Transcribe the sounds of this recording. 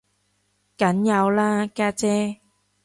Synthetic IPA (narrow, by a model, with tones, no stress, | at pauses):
kɐ˨˦˥njɐ˨˧wlaː˦˧kaː˧t͡sɛː˧˥